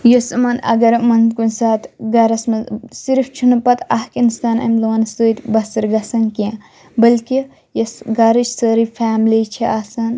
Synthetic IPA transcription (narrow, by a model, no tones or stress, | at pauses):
josɨmɐnɐ̰ɡɐɾmɐnkunsaːt̪ɡɐɾɐsmɐsiɾft͡ʃʰunupɐt̪ʰɐhkinst̪aːnɐ̰mloːnsuːt̪ʲbɐsɐɾɡɐsɐnkiã | bɐlki | jɐsɡɐɾɨt͡ʃʰsəɾifʰaːmlit͡ʃʰiʔasɐn